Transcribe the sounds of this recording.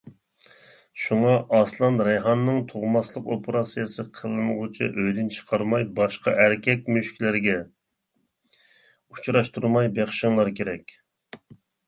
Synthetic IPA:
ʃuŋɑʔɑslˠɑnɾɛjɦɑnːɨŋt̪ʰoʁmɑslˠəqopʰɾɑsijɨsɨqʰəlˠɨnʁʊt͡ʃʰḭʔøjd̪ɪnt͡ʃʰə̥qʰɑɾmɑjbɑʃqɑ̰ʔæɾkʲʰɛk̚ʲmyʃkʲlɪɾɡʲɛ | ut͡ʃʰɾɑʃt̪uɾmɑjbeχʃɨŋlˠɑɾkʲeɾɛkʲ

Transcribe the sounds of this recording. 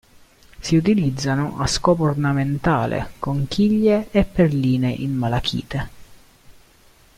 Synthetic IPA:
siut̪ilid̪zːanoʔaskɔːpoornament̪aːlʔḛkoŋkiʎːeːpːerliːneʔinmalakʰḭːt̪e

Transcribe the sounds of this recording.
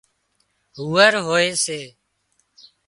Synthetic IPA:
ɦuːəɾɦoːeːseː

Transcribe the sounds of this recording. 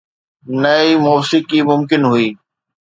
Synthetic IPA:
nɐimɔːsɪkimʊmkɪnɦʊiː

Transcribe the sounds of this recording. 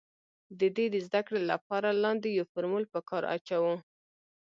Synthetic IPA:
d̪əd̪ed̪əzd̪akɽela̰pɑɾalɑnd̪ejawfoɾmulpəkɑɾa̰t͡ʃawu

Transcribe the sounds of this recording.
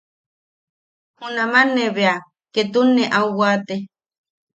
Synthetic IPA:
hunamanːeβea | ket̪unːeʔauwaːt̪e

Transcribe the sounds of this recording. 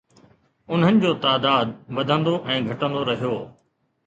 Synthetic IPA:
ʊn̤ənɪ̆d͡ʑoːt̪aːd̪aːd̪̚bɐd̪ʱə̃nd̪oʔɛ̃ːɡʱɐʈə̃nd̪oɾɐɦijoː

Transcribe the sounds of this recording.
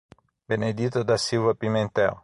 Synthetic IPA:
bened̪it̪od̪asilvapiment̪ɛʁ

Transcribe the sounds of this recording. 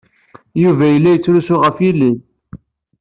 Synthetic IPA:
juvæjəlːæjət͡sːɾusʊʁəfilin

